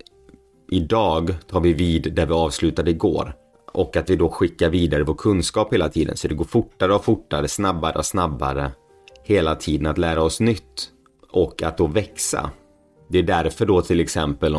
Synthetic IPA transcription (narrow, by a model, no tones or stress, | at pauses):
ʔɪd̪ɑːɡt̪ʰɑːɾvɪviːd̪ːæɾvɪɑːvslʉ̟ːt̪ad̪əɪɡo̰ːɾ | ʔɔkːat̪vɪd̪ɔɧɪkːaɾviːd̪aɾəvoːʈkʰɵnskɑːpheːlat̪ʰiːd̪ə̰nsɔd̪ɛɡoːɾfʊʈːaɾəɔfʊʈːaɾəsnabːaɾə̰ɔsnabːa̰ɾə̰ | heːlat̪ʰiːd̪ənat̪læːɾaɔsnʏt̪ː | ʔɔkːat̪̚d̪ɔːvɛksa̰ | d̪ɛæɖæɾfœɖɔt̪ʰɪlɛksɛmpəl